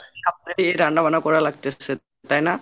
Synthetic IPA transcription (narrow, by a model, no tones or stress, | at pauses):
apt̪aɾiejɾaɳɖabanakɔɾalaɡ̚t̪esʰe | t̪ajna